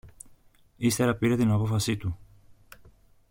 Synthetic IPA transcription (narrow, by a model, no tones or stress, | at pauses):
ist̪e̞ɾɐpiɾe̞t̪inɐpo̞fɐsit̪u